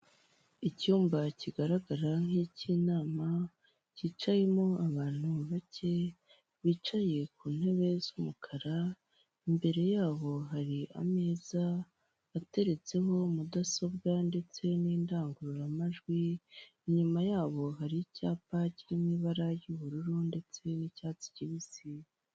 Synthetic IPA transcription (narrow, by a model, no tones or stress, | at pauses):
icuːmbaciɡaɾaɡaɾaŋ̥hicinaːma | ciːt͡ʃaje̞moaβaːn̥huβace̞ | βiːt͡ʃaje̞k̚uːn̥he̞βe̞z̥umukʰaɾa | imbe̞ɾe̞jaːβo̞ɦaɾia̰meːza | βate̞ɾe̞t͡se̞ɦo̞mudasobɡande̞t͡se̞niːndaːŋɡuɾuɾamaʒɡwiː | ɲumajaːβo̞ɦaɾicaːpacimiβaɾajuβuɾuɾunde̞t͡se̞nicaːt͡si̥ciβisi